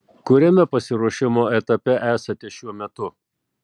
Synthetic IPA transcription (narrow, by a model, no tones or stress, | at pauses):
kʊɾʲɛmʲɛpɐsʲɪɾuɔʃʲɪmoːɛt̪ɐpʲɛʔæːsɐt̪ʲɪʃʲuɔmʲɛt̪ʊ